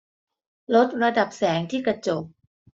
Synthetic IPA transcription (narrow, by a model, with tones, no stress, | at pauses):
lo˦˥t̪̚ɾa˧da˨˩p̚sɛː˩˦ŋt̪ʰiː˥˩kɾa˧t͡ɕo˨˩k̚